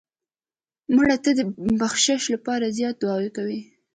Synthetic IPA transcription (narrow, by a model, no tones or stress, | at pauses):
muɽat̪ad̪əbaxʃaʃlapɑɾazjɑt̪̚d̪wɑwekawi